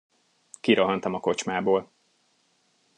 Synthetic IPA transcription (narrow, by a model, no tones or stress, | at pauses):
kiɾoɦɒnt̪ɒmɒko̞t͡ʃmaːboːl